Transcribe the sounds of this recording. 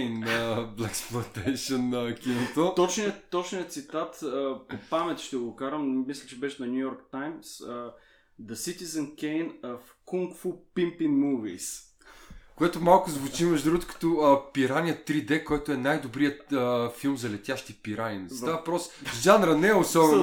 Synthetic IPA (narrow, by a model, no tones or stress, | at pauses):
nəblɛksplˠɐnt̪ɛjʃonəkinot̪ot̪ɔt͡ʃniət̪ɔt͡ʃnijət̪sit̪at̪əpopamɛt̪ʃt̪ɛɡokaɾəmmislʲɛt͡ʃɛbɛʃnɐnʲujɔɾkt̪ajms | d̪əsit̪izənkʲɛjnəf | kuŋkfupimpimuvḭs | koɛt̪omalˠkʊzvʊt͡ʃimɛʒd̪ɾuɡot̪ʊ̥kɐ̥t̪ɔəpiɾanʲijət̪ːɾid̪ɛkɔjt̪oɛnajd̪obɾijəəfilˠmzɐlɛt̪ʲjaʃt̪ipiɾaninsapɾɔsʒanɾɐnɛɛosɔbɛn